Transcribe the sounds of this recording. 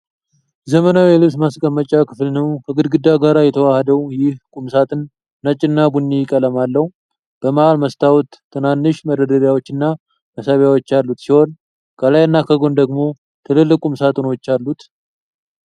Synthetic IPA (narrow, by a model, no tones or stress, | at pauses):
zəmənawjɛlɨβsmaskʼəmːət͡ʃʼakʰɨflnəwkʰəɡɨd̪ɡɨd̪aɡaɾajɛt̪ʰəwahəd̪əwjɪhkʼumsat̪ʰɨnː | ət͡ʃʼːɨnːabunːijkʼələmalːəhu | b̥əməʔalməst̪ʰawut̪ʰːɨnanːɨʃməd̪əd̪əɾjawot͡ʃːɨnːa | məsəβjawo̞t͡ʃːalːut̪siho̞n | kʰəlajnːakʰəɡo̞nd̪əɡmo̞ | t̪ʰɨlɨlːɨkʼumsat̪ʼɨno̞t͡ʃːalːut̪